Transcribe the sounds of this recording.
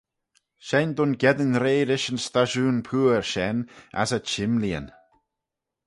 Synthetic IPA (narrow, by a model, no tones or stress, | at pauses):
ʃɛnd̪ʊnɡɛd̪ənɾeːɾɪʃənst̪aʒuːnpʰuːəɹʃɛna̰sət͡ʃɪmliə̰n